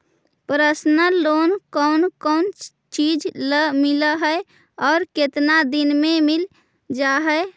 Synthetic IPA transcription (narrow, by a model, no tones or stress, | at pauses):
pɾəsnəlonkəʊnkəʊn | t͡ʃid͡ʒləmiləɦəe | ɔːɾket̪nad̪inmemil | d͡ʒaɦəe